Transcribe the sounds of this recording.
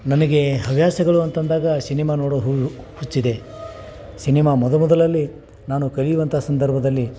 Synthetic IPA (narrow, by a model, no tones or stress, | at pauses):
nɐnɐɡe̞ɦɐʋjaːsɐɡɐɭuɐnt̪ɐnd̪aːɡɐsinimaːnoːɽoɦu | hut͡ʃːid̪e̞ | sinimaːmɔd̪ɐlmɔd̪ɐlɐlːi | naːnukɐɭijuʋɐnt̪ʰaːsɐnd̪ɐɾbʱɐd̪ɐlːi